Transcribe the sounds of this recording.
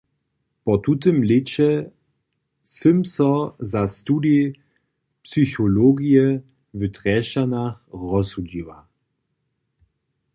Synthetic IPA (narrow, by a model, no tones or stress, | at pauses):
pɔt̪ut̬əmlet͡ʃɛ | səmsɔzast̪uːde | psyçoloɡijɛ | vətʁɛʃanaxʁɔsud͡ʑiwa